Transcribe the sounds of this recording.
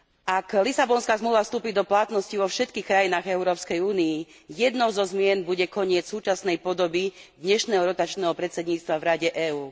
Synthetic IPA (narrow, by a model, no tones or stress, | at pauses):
aklisabɔnskaːzmluːʋafst̪uːpiːd̪ɔplat̪nɔsciʋɔfʃɛt̪kiːxkɾajinaːɣɛʊɾɔːpskɛjuːnii | jɛd̪nɔʊzɔzmɪɛnbuɟɛkɔɲɪɛt͡ssuːt͡ʃasnɛjpɔd̪ɔbid̪ɲɛʃnɛːɦɔɾɔt̪at͡ʃnɛːɦɔpɾɛt̪t͡sɛd̪ɲiːt͡st̪ʋavɾaɟɛʔɛːuː